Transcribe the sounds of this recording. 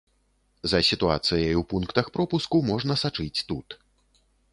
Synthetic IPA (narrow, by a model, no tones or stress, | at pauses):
zɐsʲit̪ua̰t̪sɨjɐjupunkt̪ɐxpɾɔpuskumɔʐnɐsat͡ʂɨt͡sʲt̪ut̪